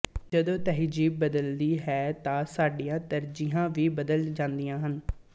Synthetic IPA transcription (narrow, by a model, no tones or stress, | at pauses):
d͡ʒəd̪õːt̪ɛːɦd͡ʒiːbəd̪əld̪iːɦɛːt̪ãːsaːɖijãːt̪əɾd͡ʒiɦãːʋiːbəd̪əld͡ʒãːnd̪ijãːɦən